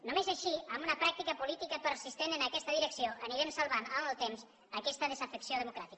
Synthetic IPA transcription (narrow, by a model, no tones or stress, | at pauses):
nomezaʃiambunɐpɾak̚t̪ikɐpulit̪ikəpəɾsist̪enənəkɛst̪əðiɾəksjoʔəniɾemsalˠβananəlˠt̪ems | əkɛst̪əðəzafəksioðemukɾat̪ik